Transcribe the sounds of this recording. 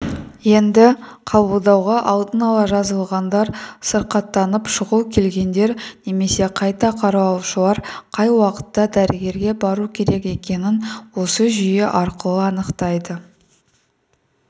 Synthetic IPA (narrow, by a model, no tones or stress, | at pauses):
je̞nd̪ɪqʰɑbəlˠd̪ɑwʁɑʔɑlˠd̪ənɑlˠɑʒɑzəlˠʁɑnd̪ɑɾsəɾqɑt̪ːɑnəpʃəʁukʲʰe̞lɡʲe̞nd̪e̞ɾne̞me̞se̞qʰɑjt̪ɑqʰɑɾɑwɑlˠʃəlˠɑɾqʰɑjwɑqə̥t̪ːɑd̪æɾɪɡʲe̞ɾɡʲe̞bɑɾukʲʰe̞ɾe̞ke̞kʲe̞nɪnwo̞səʒʏje̞ʔɑɾqəlˠəɑnəqt̪ɑjd̪ə